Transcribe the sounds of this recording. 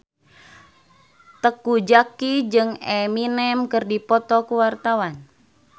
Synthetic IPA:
t̪əkud͡ʒakid͡ʒɨŋɛminɛmkɨrdipɔt̪ɔkuwart̪awan

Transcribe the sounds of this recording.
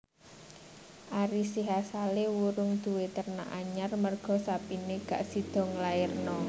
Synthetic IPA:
ʔaɾisiɦasalewuɾʊŋd̪̥uwet̪ərna̰ʔaɲarmərɡ̥ɔ̤sapineɡ̥a̤ʔsid̪̥ɔ̤ŋlaɪrnɔ

